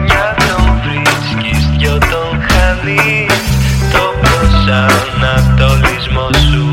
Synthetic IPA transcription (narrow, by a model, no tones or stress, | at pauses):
ʝɐt̪ovɾiscist̪çot̪oŋxɐði | t̪opɾosɐnɐt̪olizmosu